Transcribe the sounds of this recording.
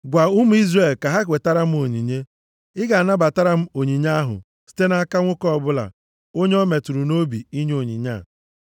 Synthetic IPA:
ɡʷa˨ʊ˦m̩˦i˦zre˨lka˨ɦa˦kʷe˨ta˦ɾa˦m̩˦o˨ɲḭ˨ɲe˦ | ɪ˦ɡa˨a˨na˦ba˨ta˦ɾa˦m̩˦o˨ɲi˨ɲa˦a˦ɦʊ̰˨ | si̥˦te˦na˦a˦ka˦ŋʷʊ˦kɔ˦˨bʊ˦la̰˨ | o˦ɲe˦ɔ˦me˨tu˨ɾu˨no˦bi˨i˦ɲe˦o˨ɲḭ˨ɲa̰˦˨

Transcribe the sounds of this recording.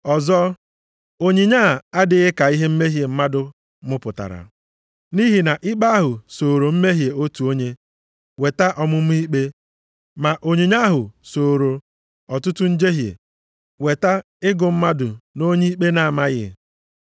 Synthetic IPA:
ɔ˨zɔ˦ | o˨ɲi˨ɲa˦˨a˦dɪ˦ɣɪ˦ka˨i˦ɦe˦m̩˦me˦ɦje˨m̩˦ma˦dʊ˦ | mʊ˦pʊ˨ta̰˨ɾa̰˨ | ni˦ɦi˨na˨ʔɪ˦k͡pa˦a˦ɦʊ˨soː˨ɾo˨m̩˦me˦ɦje˨o˦tu˨o˦ɲe˦ | we˨ta˦ʔɔ˨mʊ˦m̩˦i˦k͡pe˦ | ma˨ʔo˨ɲi˨ɲa˦ɦʊ˨so˨ɾo˨ | ɔ˨tʊ˦tʊ˦n̩˦d͡ʒe˦ɦjḛ˨ | we˨ta˦ | ɪ˦ɡʊ˨m̩˦ma˦dʊ˨no˦ɲi˦i˦k͡pe˦na˨ma˦ɣɪ̰˨

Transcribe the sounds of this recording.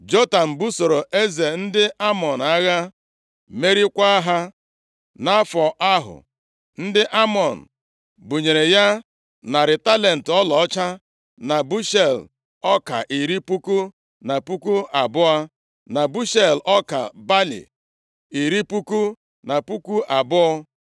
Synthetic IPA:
d͡ʒo˦ta˨m̩˨bu˦so˨ɾo˨ʔe˦ze˨n̩˦dɪ˦ʔa˦mɔ˨na˦ɣa˦ | me˦ɾi˦kʷa˦ɦa˦ | na˦fɔ˨ʔa˦ɦʊ̰˨ | n̩˦dɪ˦ʔa˦mɔ˨n̩˨ | bu˨ɲe˨ɾe˨ja˦ | na˨ɾɪ˨ta˦le˨n̩˨tɔ˦lɔ˨ɔ˦t͡ʃa˦ | na˨bu˦ʃe˦˨l | ɔ˦ka̰˨ʔi˨ɾi˦pu˦ku˦ | na˨pu˦ku˦a˨bʊ˦a˦ | na˨bu˦ʃe˨lɔ˦ka̰˨ba˦lḭ˨ | i˨ɾi˦pu˦ku˦ | na˨pu˦ku˦ʔa˨bʊ˦

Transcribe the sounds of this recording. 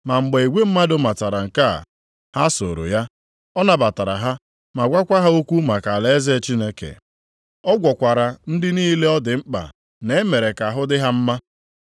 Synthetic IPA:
ma˨ŋ͡m̩˨ɡ͡be˨i˨ɡʷe˦m̩˦ma˦dʊ˨ma˨ta˨ɾa˨ŋ̩˨ka̰˦˨ | ha˦so̰˨ɾo̰˨ja˦ | ɔ˦na˨ba˨ta˨ɾa̰˨ɦa˦ | ma˨ɡʷa˦kʷa˦ɦa˦o˦kʷu˦ma˨ka˨le˦ze˦˨t͡ʃi˦ne˦kḛ˨ | ɔ˦ɡʷɔ˨kʷa˨ɾa˨n̩˦dɪ˦niː˦le˦ɔ˦dɪ˨ŋ͡m̩˦k͡pa̰˨ | ne˨e˦me˨ɾe˨ka˨ɦʊ˦dɪ˦ɦa˦m̩˦ma˦

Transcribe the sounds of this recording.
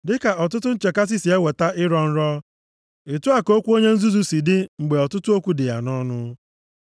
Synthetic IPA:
dɪ˦ka˨ɔ˨tʊ˦tʊ˦n̩˦t͡ʃe˨ka˦s̬ɪ˦si˨e˦we˨ta˦ʔɪ˦ɾɔ˦n̩˦ɾɔ˦ | ɪ˨tʊ˦a˨ko˦kʷu˦o˦ɲe˦n̩˦zu˦zu˨si˨dɪ˦ŋ͡m̩˨ɡ͡be˨ɔ˨tʊ˦tʊ˦o˦kʷu˦dɪ˨ja̰˨nɔ˦nʊ˦

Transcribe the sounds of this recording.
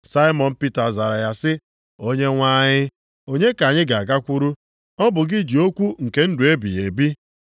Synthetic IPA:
sa˦ɪ˦mɔ˨n̩˦pi˦ta˨za˨ɾa˨ja˦sɪ˦ | o˦ɲe˦ŋʷa˦ɲɪ˦ | o˦ɲe˦ka˨ɲɪ˦ɡa˨a˨ɡa˦kʷu˦ɾu˦ | ɔ˦bʊ˨ɡɪ˦d͡ʒi˨o˦kʷu˦ŋ̩˨ke˨n̩˦dʊ˨e˦bḭ˨je˨bi˦

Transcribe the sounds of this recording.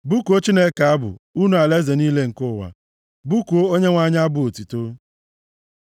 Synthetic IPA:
bu˦ku˨o˦t͡ʃi˦ne˦ka˨a˦bʊ̰˨u˦nu˨˦a˨le˦ze˨niː˦le˦ŋ̩˨kʊ˦˨wa̰˨ | bu˦ko˦o˦ɲe˦ŋʷa˦ɲ˦a˦bʊ˦˨o˨ti˨to˦

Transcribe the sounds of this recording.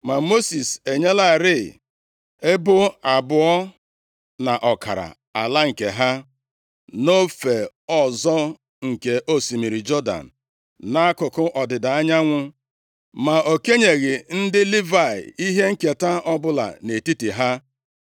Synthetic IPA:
ma˨mo˦si˨se˨ɲe˦la˦˨ɾɪ˦˨ | e˦bʊ˦a˨bʊ˨ɔ˦ | na˨ʔɔ˨ka̰˨ɾa̰˨ | a˨la˦ŋ̩˨ke˨ɦa˦ | no˦fe˨ | ɔ˨zɔ˦ | ŋ̩˨ke˨ʔo˦si˨mi˨ɾi˨d͡ʒɔ˦da̰˨n̩˨ | na˦a˦kʊ˨kʊ˦ʔɔ˨dɪ˨da˨a˦ɲa˦ŋʷʊ˦ | ma˨o˨ke˦ɲe˨ɣɪ˨n̩˦dɪ˦li˦va˨ɪ̰˨i˦ɦe˦ŋ̩˦ke˨ta˦ɔ˦bʊ˦la̰˨ne˨ti˦ti˨ɦa˦

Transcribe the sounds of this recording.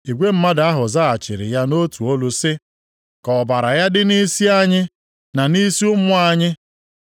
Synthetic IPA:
i˨ɡʷe˦m̩˦ma˦da˦ɦʊ˨za˦a˨t͡ʃɪ˨ɾɪ̰˨ja˦no˦tu˨o˦lʊ˦sɪ˦ | kɔ˨ba˨ɾa˨ja˦dɪ˦ni˦si˦a˦ɲɪ˦ | na˨ni˦sʊ˦mʊ˦a˦ɲɪ˦

